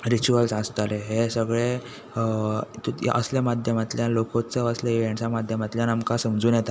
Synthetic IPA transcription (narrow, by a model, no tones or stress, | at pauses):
ɾit͡ɕuəlsast̪aleɦesəɡɭe | t̪ṵʔə̰sljamad̪ʱjəmat̪ljalokot͡səʋəslaʋaɳsamad̪ʱjəmat̪ljanamkasəmd͡zuːnjɛt̪a